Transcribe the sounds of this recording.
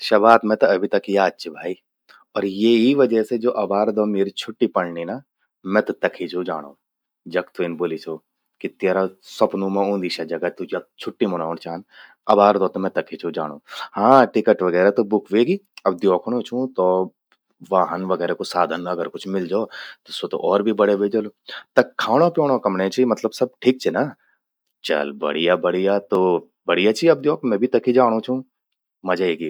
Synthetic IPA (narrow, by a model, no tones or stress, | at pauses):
ʃɐbaːt̪mɛ̃t̪ɐɐbʱit̪ɐkjaːd̪̚t͡ʃʰibʱaːi | ɔːɾjeɦiʋɐd͡ʒəɦsed͡ʒoːʔɐbaːɾd̪oːmeːɾit͡ʃʰʊʈːipɐɽnina | mɛ̃t̪ɐt̪ɐkʰit͡ʃʰũd͡ʒaːɽ̃oː | d͡ʒɐkt̪uinboːlit͡ʃʰoː | kit̪eːɾasɐpnũmẽũːnd̪iʃad͡ʒɐɡat̪ud͡ʒɐk̚t͡ʃʰʊʈːimɐñaːnt͡ʃaːn | ɐbaːɾd̪oːt̪omɛ̃t̪ɐkʰit͡ʃʰud͡ʒaːɽ̃oːhãːʈɪkəʈʋɐɡɛːɾat̪obʊkʰʋeːɡiːɐb̚d̪jɔːkʰɽ̃õt͡ʃʰũt̪oː | ʋaːɦənʋɐɡɛːɾekosaːd̪ʱənɐɡəɾkʊt͡ʃʰmɪld͡ʒaːt̪osot̪o̰ʔɔːɾbʱibɐɽeʋeːd͡ʒɐlot̪ɐkʰːaːɽ̃õpjoːɽ̃õkɐmɽẽt͡ʃʰimɐt̪ləbsɐb̚ʈʰiːk̚t͡ʃʰina | t͡ʃɐ̰lbɐ̰ɽ̤ijabɐɽ̤ijat̪o | bɐɽijat͡ʃʰiɐb̚d̪joːkʰmɛ̃ːbʱit̪ɐkʰid͡ʒaːɽ̃õt͡ʃʰũ | mɐd͡ʒaeːɡi